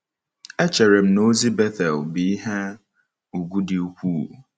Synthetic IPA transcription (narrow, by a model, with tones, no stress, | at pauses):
ɛ˦t͡ʃʰɛ˨ɾe˨m̩˨no˦zi˦bɛ˦θɛ˨lbi˨˦ɦɛ˦ | u˨ɡu˦dɪ˨u˦kʷu˦˨